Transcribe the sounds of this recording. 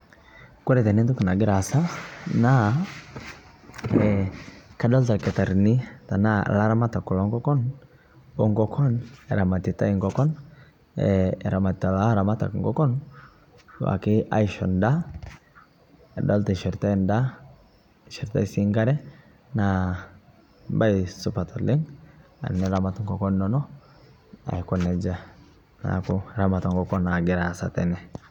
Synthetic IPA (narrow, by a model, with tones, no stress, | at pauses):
ku˦ɾɛ˨tɛ˨ni˦ntu˦kna˨ɡɪ˦ɾa˨sa˦na˦ | ɛka˦dɔ˦lta˨kɛ˨ta˨ɾni˦ta˨na̰˦˨la˦ɾa˦ma˦ta˨ku˨lɔ˨˦ŋɡɔ˦kɔ˦n | bɔ˨ŋɡɔ˦kʰɔ˦nɛ˨ɾa˨ma˨ti˨ta˦i˨ŋɡɔkɔ˦n | ɛ̰˨ɾa˨ma˨ta˨la˦ɾa˨ma˦ta̰˨kŋɡɔ˦kɔ˦n | wa̰˨ki˦ʔa̰˦iʃɔ̰˨nda˦˨ | do˦lti˨ʃi˨ɾt̪a˦nda˦ | ʃi˨ɾt̪a˦si˦ŋɡa˦ɾɛ˦ | na | ba˦jsupa˨t̪ɔlːɪ˦ŋa̰˨nːɛ˦ɾamatŋkɔ˨kɔ˦nːɔnɔ˦ | a̰˨ji˨kɔnɛ˨d͡ʒa˦ | na̰kuɾa˨matɔŋɡɔkɔ˦na˨ɡɛɾasat̪ɛ̰nɛ